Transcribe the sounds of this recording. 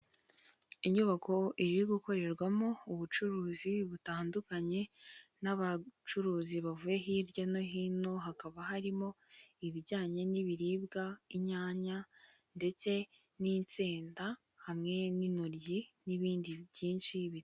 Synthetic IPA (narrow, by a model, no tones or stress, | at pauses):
iɲuβakʰo̞iɾiiɡuko̞ɾe̞ɾɡwamo̞uβut͡ʃuɾuːziβutaːndukaɲe̞naβat͡ʃuɾuːziβavuje̞ɦiːɾɟano̞ɦino̞ɦakaβaɦaɾimo̞ | iβiɟaːɲe̞niβiɾiːbɡaiɲaːɲa | nde̞t͡se̞ | niːnt͡seːnda | hamŋe̞ninuɾɟiniβiːndijiːnʃiβit